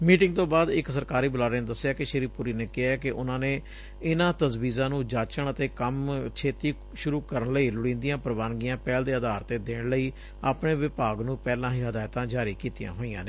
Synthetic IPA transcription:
miːʈɪ̃ŋɡ̚t̪õːbaːd̪ɪksəɾkaːɾiːbəlaːɾeːnːd̪əsːjaːkɪʃəɾiːpʊɾiːneːkɪɦaːɛːkɪʔʊnãːneː | ɪnãːt̪əzʋiːzãːnũːd͡ʒaːt͡ʃəɳət̪eːkəmt͡ʃʰeːt̪iː | ʃʊɾuːkəɾənləiːlʊɽĩːnd̪ijãːpɾəʋaːnɡijãːpɛːld̪eːəd̪aːɾt̪eːd̪eːɳləiː | a̰ːpɳeːʋɪpaːɡnũːpɛːlãːɦiːɦəd̪aːɪt̪ãːd͡ʒaːɾiːkiːt̪ijã̰ːɦoːiːã̰ːneː

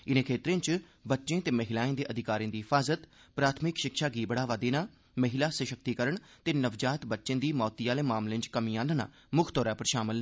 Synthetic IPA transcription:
ɪnẽːkʰeːt̪ɾẽːt͡ʃ | bətːʃẽːt̪eːməɦɪlaːẽːd̪eːʔəd̪ʱɪkaːɾĩːd̪iːɦɪfʰaːzət̪pɾaːt̪ʰmɪkʃɪkʃaːɡiːbəɽaːʋaːd̪eːnaː | məɦɪlaːsəʃəkt̪iːkəɾəɳ | t̪eːnəʋd͡ʒaːt̪bətːʃẽːd̪iːmɔːt̪ijaːlẽːmaːmlẽːnt͡ʃkəmĩːãːnəna̰ː | mʊkʰt̪ɔːɾaːpəɾʃaːmɪl

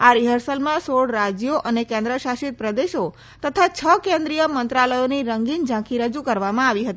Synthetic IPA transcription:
aɾiɦəɾsəlmãsoɽɾad͡ʒjoʔənekɛ̃nd̪ɾəʃaʃit̪̚pɾəd̪eʃo | t̪ət̪ʰat͡ʃʰəkẽnd̪ɾijəmənt̪ɾaləjoniɾəŋɡind͡ʒãkʰiɾəd͡ʒukəɾʋamãaʋiɦət̪i

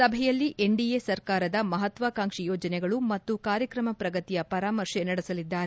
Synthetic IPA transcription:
sɐbʱɛjɐlːiʔeɳɖijesɐɾkaːɾɐd̪ɐmɐɦɐt̪ʋaːkaːŋʂijɔːd͡ʒɐnɛɡɐɭumɐt̪ːukaːɾjɐkɾɐmɐpɾɐɡɐt̪ijɐpɐɾaːmɐɾʂɛnɐɽɛsɐlid̪ːaːɾe

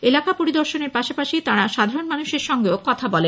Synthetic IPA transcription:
elakapoɾid̪oɾʃoneɾpaʃapaʃit̪aɾaʃad̪ʱaɾonmanuʃeɾʃɔŋɡeokɔt̪ʰabɔle

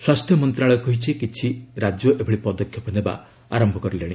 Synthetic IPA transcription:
swast̪ʰjɔmɔnt̪ɾaɭɔkɔɦit͡ʃʰikit͡ʃʰiɾad͡ʒjɔʔebʱɔɽipɔd̪ɔkʰːjɔpɔneba̰ | a̰ɾɔmbʱɔkɔɾileɽ̃i

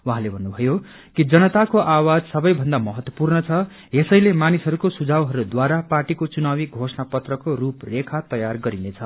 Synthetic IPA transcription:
wuɦãlebʱʌnːubʱʌjo | kid͡zʌnʌt̪akoʔawad͡zsʌbʌjbʱʌnd̪amʌɦʌt̪wʌ̥purnʌt͡sʰʌ | jesʌjlemanisɦʌɾukosud͡zʱawɦʌɾud̪waɾaparʈikot͡sunawiɡʱosnapʌt̪rʌkoruprekʰat̪ʌjarɡʌɾinet͡sʰʌ

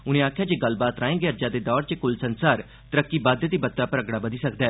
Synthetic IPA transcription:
ʊnẽːaːkʰjaːd͡ʒeːɡəlbaːt̪ɾaːẽːɡeəɾd͡ʒaːd̪eːd̪ɔːɾt͡ʃəkʊlsənsaːɾ | t̪əɾəkːiːbaːd̪ət̪iːbət̪ːɾaːpəɾəɡɽaːbəd̪iːsək̚d̪aɛː

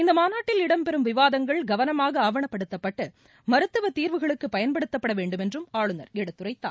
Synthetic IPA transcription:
ɪnd̪ɐmaːnaːʈːɪlɪɽɐmpɛɾɯmʋɪʋaːðɐŋɡɐɭɡɐʋɐnɐmaːɣɐaːʋɐɳɐpːɐɽɯt̪ːɐpːɐʈːɯ | mɐɾɯt̪ːɯʋɐt̪ːiːɾʋɯɣɐɭɯkːɯpːɐjɐnpɐɽɯt̪ːɐpːɐɽɐʋeːɳɖɯmɛndrɯmaːɭɯnɐɾɛɽɐt̪ːɯɾɐɪt̪ːa̰ː

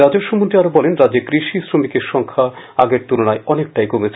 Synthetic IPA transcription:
ɾad͡ʑeɾʃomont̪ɾiaɾobɔlenɾad͡ʑekɾiʃisɾomikeɾʃɔŋkʰa | aɡeɾt̪ulonaeɔnek̚ʈajkomet͡ɕʰ

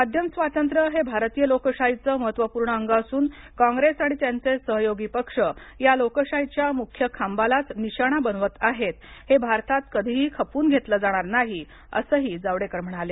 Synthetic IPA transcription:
mad̪ʱjəmsʋat̪ənt̪ɾəɦebʱaɾt̪ijəlokəɕajit͡səməɦət̪ʋəpuɾɳəəŋɡəəsuːn | kãŋɡɾesaɽ̃it̪jant͡sesəɦjoɡipəkʂə | jalokəɕajt͡ɕjamukʰjəkʰambalat͡sniɕaɽ̃abənʋət̪aɦet̪hebʱaɾt̪at̪kəd̪ʱiɦiːkʰəpuːnɡʱet̪ləd͡zaɽ̃aɾnaɦi | ə̰səːɦiːd͡zaʋɽekəɾm̤əɳ̃ɽ̃ale

